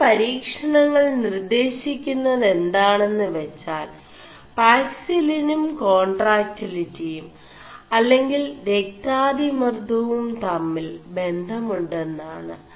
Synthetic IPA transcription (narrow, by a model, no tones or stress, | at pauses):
pɐɾiːkʂɐɳɐŋːɐɭnird̪e̞ːɕikʲːunːɐðe̞nd̪aːɳe̞nːɨʋet͡ɕːaːl | paːksilinumko̞ːɳɖraːk̚tːilitːijum | ɐlːe̞ŋɡilɾek̚t̪aːd̪imɐrt̪ɐʋumt̪ɐmːilbe̞nd̪ʱɐmuɳɖe̞nːaːɳɨ